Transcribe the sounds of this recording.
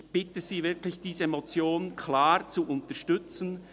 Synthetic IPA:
b̥ɪtəz̥iːvɪɐklɪçd̥iːzəmot͡sjoːnnkʰlaːʁt͡suʔʊntɐʃtʏt͡sn̩

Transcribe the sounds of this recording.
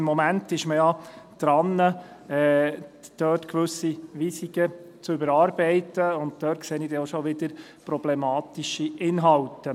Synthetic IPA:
mːɔmæntɪʃməjɑd̪̥ɾɑnːə | ɛːd̪̥œːtkʋɵsiʋisikət͡sʏbəɾɑːɾbɛɪtəʊnt̚d̥̪œːt̚kseːnid̥ɛoʃoʋɪd̪əɾ | pɾɔb̥lɛmɑːtiʃiʔɪnɦɑltə

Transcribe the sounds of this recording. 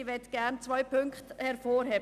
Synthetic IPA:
vɛtɡ̥ænt͡sʋœʏpʰʏŋkχthɛɾfoːɾheːb

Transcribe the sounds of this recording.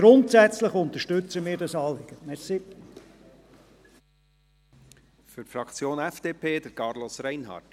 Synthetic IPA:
ɡ̥ɾʊntsæt͡sləχʊnt̪əʃtʏt͡səmiːɾdɑsɑːlɪɡ̥ətmɛɾsɪp | fʏɾtfɾɑkʰt͡sjoːnɛfd̥eːpʰeːd̪əɾkɑɾlɔsɾɛɪnɦɑ̰ːrt

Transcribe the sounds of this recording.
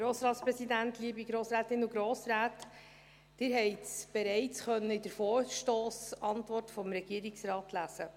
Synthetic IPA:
ɾoːsɾɑːtspɾɛsidæntliəbiɡɾoːsɾæːtɪnuɡɾoːsɾaːt | d̥ɪɾɦɛɪsb̥ɛɾɛɪt͡sχœnːəɪdəɾfoːɾʃtoːsɑntvɔrtfɔmɾɛɡ̥iəɾɪksɾɑːtlæz̥ə

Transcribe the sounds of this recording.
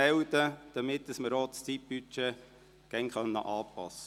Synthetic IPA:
ɛwdəd̪̥əmɪtdəsməɾɔːt̪st͡sip̚b̥yt͡ʃeː | ɡ̥æŋkœnːə̰ʔɑːpɑ̰sːə

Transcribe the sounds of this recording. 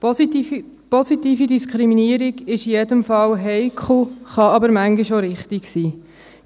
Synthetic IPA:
pɔsit̪iːfidiskʰɾiminiəɾiɡɪʃijedəmfɑlɦɛɪkʰχl̩χɑɑbəɾmæŋɡiʃoɾɪχt̪iksiː

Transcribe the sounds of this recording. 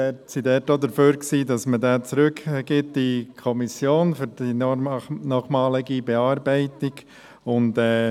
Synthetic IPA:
ɛtsidɛtodəɾføːɾksiːdɑsmədɛːt͡sɾʏkɡ̥ɪt̚d̥ikʰɔmisjoːnfyɾd̥i | nɔχmɑːlɪɡibɛɑːɾbɛɪtɪɡ̥ | ʊndɛ

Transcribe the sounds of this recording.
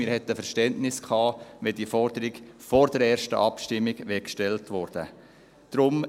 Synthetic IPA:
mɪɾhɛt̪əfɛɾʃtɛntnɪskʰχɑːʋɛdiəfɔɾd̥əɾiɡfɔɾdɛɾɛːɾʃtə̰ʔɑpʃtɪmːɪɡʋɛkʃtɛltʋɔɾd̥ə | d̥ɾʊm

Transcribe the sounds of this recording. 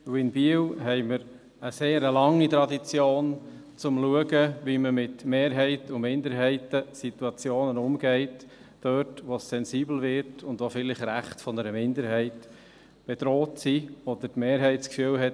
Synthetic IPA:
wɪnbiəwɦɛɪməɾ | əseːɾəlɑŋːit̪ɾɑdit͡sjoːn | t͡sʊmluəɡəʋiməmɪtmeːɾɦɛɪtʊmɪndəɾɦɛɪtəsit̪uɑt͡sjoːnənʊmɡɛɪt | d̥œtʋosːɛnsiːbl̩ʋɪɾtʰʊndʋofɪlɪχɾæχtfɔnəɾəmɪndəɾhɛɪt | b̥ed̥ɾoːtsiɔd̥ətmeːɾɦɛɪtskfyəwɦɛt

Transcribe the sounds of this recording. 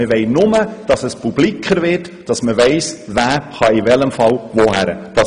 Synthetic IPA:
əʋɛɪnʊməd̥ɑsəspub̥likʰəɾvɪːt | d̥ɑsməʋɛɪsvæːχɑivɛləmfɑlʋohæɾə̰d̥ɑ

